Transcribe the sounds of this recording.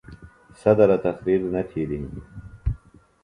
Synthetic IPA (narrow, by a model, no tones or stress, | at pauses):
sɐd̪ɐɾɐt̪ɐxɾiɾnɐt̪ʰiːɾi